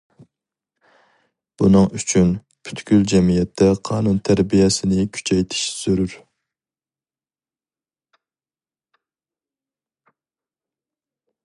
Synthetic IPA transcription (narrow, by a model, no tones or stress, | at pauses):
b̥unɨŋyt͡ʃʰyn | pʰy̥t̪ɡʲyld͡ʒɛmijɛt̪ʰːɛqʰɑːnunt̪ʰæɾbijɛsɪnɪkʲʰy̥t͡ʃʰɛjt̪ʰɪ̥ʃsøɾyɾ